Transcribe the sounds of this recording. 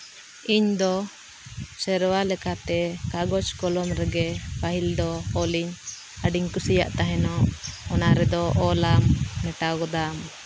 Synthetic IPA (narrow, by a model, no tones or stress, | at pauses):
iɲd̪ɔ | sɛɾwalɛkat̪ɛkaɡɔt͡ʃkɔlɔmɾɛɡɛpaɦild̪ɔːliɲ | aɖiɲkusija̰ʔt̪aɦɛnɔʔɔnaɾɛd̪ɔʔɔlamːɛʈaɡɔd̪am